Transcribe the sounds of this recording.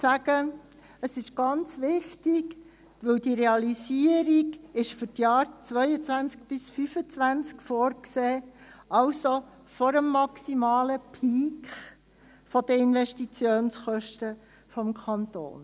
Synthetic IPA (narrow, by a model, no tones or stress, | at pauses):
sæɡ̥ə | əsɪʃɡ̥ɑnt͡sʋɪχtɪɡ | ʋɵwdiɾɛɑlisiəɾiɡɪʃfʏɾtjɑːɾt͡sʋœʏət͡sʋænt͡sk̚b̥ɪsfyfət͡sʋænt͡skfɔːɾkseːɑʊso | fɔɾəmːɑksimɑːləpʰiːkχ | fɔd̥əɪnʋɛʃtit͡sjoːnsχœʃtə | fɔmkʰɑnt̪o̰ːn